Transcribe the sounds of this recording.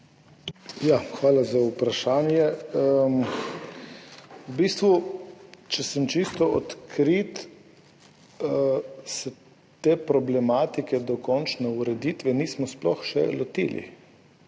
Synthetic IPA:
jaxʋaːlazaupɾaʃaːnjɛm | ubiːst̪ʋu | t͡ʃɛsəmt͡ʃist̪ɔɔt̪kʰɾit̪ | sɛ | t̪eːpɾɔblɛmaːt̪ikɛd̪ɔkɔnt͡ʃnɛuɾɛd̪it̪ʋɛniːsmɔsplɔ̰xʃɛ̰lɔt̪ḭːlḭ

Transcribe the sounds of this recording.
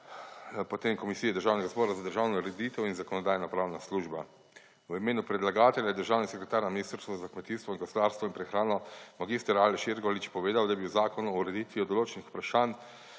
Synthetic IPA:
pɔt̪eːmkɔmisijɛd̪əɾʒaːwnɛɡazbɔːɾazad̪əɾʒaːwnɔɾɛd̪it̪ɛwinzakɔnɔd̪aːjnapɾaːwnasluʒba | wimeːnupɾɛd̪laɡaːt̪ɛljajɛd̪əɾʒaːwnisɛkɾɛt̪aːɾnaminist̪ɾst̪ʋɔzakmɛt̪iːst̪ʋɔinɡosd̪aːɾst̪ʋɔinpɾɛxɾaːnɔmaɡist̪əɾaːlɛʃeɾɡɔlit͡ʃpɔʋeːd̪awd̪abiwzaːkɔnuuɾɛd̪it̪ʋiɔd̪ɔloːt͡ʃɛnixu̥pɾaʃaːn

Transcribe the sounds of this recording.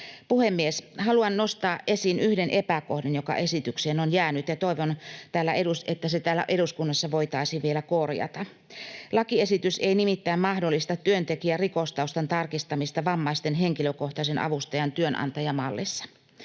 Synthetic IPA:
puhemːieshɑluɑnnost̪ɑːʔʔesinyhdenʔepækohdenjokɑ̰ʔe̞sit̪ykseːnonjæːnyt̪jɑt̪oiʋont̪æːlːæʔeɾuset̪ːæset̪æːlːæ̰ʔe̞ɾuskunːɑsːɑʋo̞it̪ɑisiʋielækorjɑ̰t̪ɑ | lɑkie̞sit̪yseinimit̪ːæimmɑhdolːist̪ɑt̪yønt̪ekiærikost̪ɑust̪ɑnt̪ɑrkist̪ɑmist̪ɑʋɑmːɑist̪enɦe̞ŋkiløkoht̪ɑsenʔɑ̰ʋust̪ɑjɑnt̪yønʔɑ̰nt̪ɑjɑmɑlːisːɑ̥

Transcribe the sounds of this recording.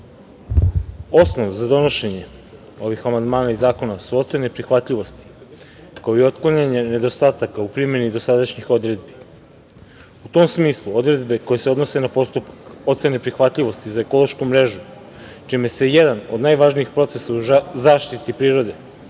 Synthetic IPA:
o̞snoʋzad̪o̞no̞ʃe̞ɲe̞ | o̞ʋixamand̪maːnaizaːko̞nasut̪senepɾixʋat̪ʎʲiʋo̞st̪i̥ | kao̞io̞t̪klˠaɲaɲene̞d̪o̞st̪aːt̪akaupɾime̞nid̪o̞sad̪aʃɲixo̞d̪ɾe̞d̪̚bi | ut̪o̞msmiːslˠuo̞d̪ɾe̞d̪be̞ko̞jeseo̞d̪no̞se̞napo̞st̪upako̞t̪se̞nepɾixʋat̪lʎiʋo̞st̪izaeko̞lˠoʃkumɾe̞ʒu | t͡ʃime̞sejed̪ano̞d̪naːjʋaʒniixpɾo̞t̪se̞sauzaːʃt̪it̪ipɾiːɾo̞d̪e̞

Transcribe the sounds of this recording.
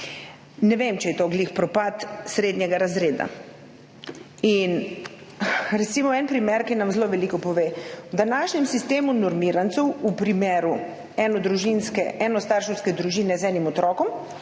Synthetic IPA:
nɛʋemt͡ʃɛjɛt̪oɡlixpɾɔpat̪sɾed̪ɲɛɡaɾazɾeːd̪a̰ | in | ɾɛt̪simɔɛnpɾimeɾkinamzloːʋɛlikɔpɔʋeːwd̪anaːʃɲɛmsist̪eːmunɔɾmiːɾant̪sɛwupɾimeːɾu | ɛnɔd̪ɾuʒinskɛ̰ʔɛnɔst̪aːɾʃɔwskɛd̪ɾuʒiːnɛzɛːnimɔt̪ɾɔːkɔm

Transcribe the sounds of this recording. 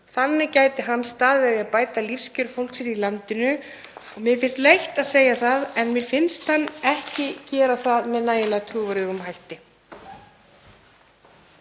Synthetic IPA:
θanːɪcaːjt̪ɪɦanːst̪aːðvɛðɪaðpaːjt̪alifscʏɾfowl̥ksɛsilant̪ɪnʏ | ɔɣmɪfɪnst̪lejht̪aðseːjaθaðɛnmɪfɪnst̪hanːɛhcɪcɛːɾaθaðmɛðnaːjɪlat̪ʰɾuːvʏɾɪɣʏmɦajht̪ɪ

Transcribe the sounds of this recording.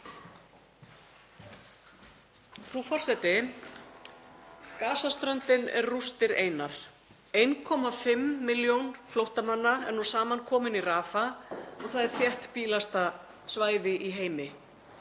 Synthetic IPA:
fɾufɔr̥sɛt̪ɪ | kaːsast̪ɾœnt̪ɪnɛ̰ɾrust̪ɪɾeːjnaɾ̥ | ejnkʰɔmafɪmːɪljownflowht̪amanːaɛ̰ɾnusaːmankʰɔːmɪniraːfaɔɣθaðɛɾ̥θjɛht̪piːlast̪a | svaːjðɪʔiɦeːjmɪ

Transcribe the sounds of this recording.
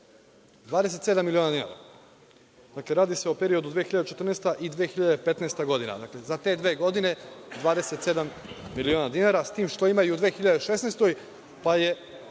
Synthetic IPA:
d̪ʋaːd̪ese̞t̪se̞d̪amːilioːnad̪ina̰ɾa̰ | d̪akle̞ɾaːd̪ise̞ope̞ɾio̞d̪ud̪ʋeːxiʎad̪et͡ʃet̪ɾrnest̪aʔid̪ʋeːxiʎad̪epe̞t̪nest̪aɡo̞d̪ina̰d̪akle̞zat̪e̞ːd̪ʋe̞ːɡo̞d̪ine̞d̪ʋaːd̪eset̪se̞d̪amːilioːnad̪inaɾasat̪iːmʃt̪o̞imajuud̪ʋeːxiʎad̪eʃesnest̪o̞j | paje̞

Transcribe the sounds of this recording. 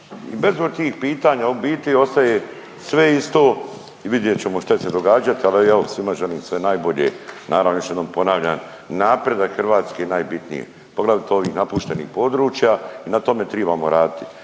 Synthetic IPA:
ḭbezboɡ̚t̪iːxpiːt̪aːɲaubiːt̪io̞st̪aje | sʋe̞ist̪oː | iʋid̪jet͡ɕe̞moʃt̪at͡ʃese̞d̪o̞ɡaːd͡ʒat̪ialiɛosʋimaʒeliːmsʋe̞najbo̞ʎḛnʔaːɾaʋnojoʃjed̪oːmpo̞naːʋʎan | naːpɾed̪akxrʋaːt̪skenajbit̪nḭjḛ | poɡlˠaʋit̪eo̞ʋiːxnapuʃt̪e̞nḭːxpo̞d̪ɾuːt͡ʃjainat̪o̞met̪ɾebaːmoɾaːd̪it̪i̥

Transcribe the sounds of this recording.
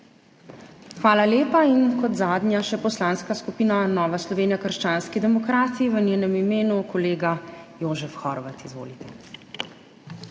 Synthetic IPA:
xʋaːlaleːpainkɔt̪zaːd̪njaʃɛpɔslaːnskaskupiːnanɔːʋaslɔʋeːnijakəɾʃt͡ʃaːnskid̪ɛmɔkɾaːt̪iiʋənjeːnɛmimeːnukʰɔleːɡajoːzɛfxɔɾʋat̪izʋo̰ːlit̪ʰɛ

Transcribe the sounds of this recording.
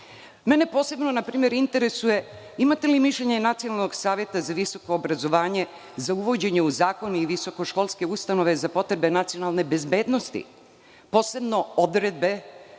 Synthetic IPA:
me̞ne̞po̞ːse̞bnonapɾiːmje̞ɾint̪e̞ɾesuje̞ | imat̪e̞limiʃlʎeɲenat̪sijonalnoɡsaːʋje̞t̪azaʋiso̞koːbɾazo̞ʋaːɲe̞ | zauʋo̞d͡ʑe̞ɲeuzaːko̞niiʋiso̞ko̞ʃko̞lˠske̞ust̪ano̞ʋe̞zapo̞t̪ɾebe̞nat̪sijo̞nalˠne̞be̞zbe̞ːd̪no̞st̪ḭ | po̞ːse̞bno̞od̪ɾed̪̚be

